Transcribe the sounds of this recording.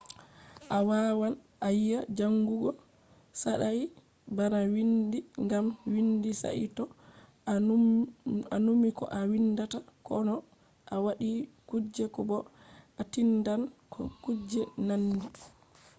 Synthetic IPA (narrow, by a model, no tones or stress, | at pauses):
ʔawawanʔajijad͡ʒaŋɡuɡɔ | saɗa | baɾawindiŋɡamwindisa̰ʔḭtɔ | anumikɔ̰ʔawindatakɔnɔ | ʔawaɗikud͡ʒːɛkɔbɔ | atindankʰɔ̰kud͡ʒɛnandi